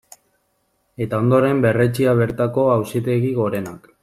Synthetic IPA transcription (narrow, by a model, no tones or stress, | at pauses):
e̞t̪ao̞nd̪o̞ɾe̞mbe̞re̞t͡ʃiaβ̞e̞ɾt̪ako̞awsit̪e̞ɣiɣo̞ɾe̞nak